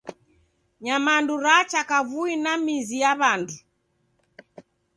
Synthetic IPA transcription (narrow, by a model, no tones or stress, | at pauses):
ɲamanduɾat͡ʃakavuinamizijaβandu